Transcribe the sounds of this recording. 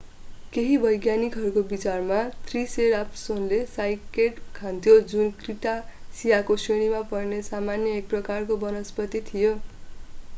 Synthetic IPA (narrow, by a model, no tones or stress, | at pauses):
keɦibʌjɡjanikɦʌɾukobit͡sarmat̪riseɾapsonlesajkeʈkʰãnt̪ʰijod͡zunkriʈasijakoseɽ̃imapʌrnesamanjʌek̚prʌkarkobʌnʌspʌt̪it̪ʰijo